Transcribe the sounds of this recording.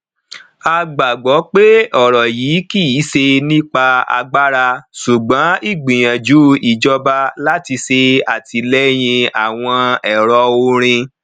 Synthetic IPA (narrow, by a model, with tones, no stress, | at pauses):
a˧ɡ͡ba˨ɡ͡bɔ˨˦k͡pe˦ɔ˦˨ɾɔ˨jiː˨˦ki˦i˨˦se˧nĩ˦k͡pa˧a̰˧ɡ͡ba˦ɾa˧su˨ɡ͡bɔ̃˨˦i˦˨ɡ͡bĩ˨j̃ã˨d͡ʒu˨˦i˦˨d͡ʒɔ˧ba˦la˦ti˧se˧a˨ti˧lɛ˦j̃ĩ˧a˨w̃ɔ̃˧ɛ˨ɾɔ˧o˧ɾ̃ĩ˧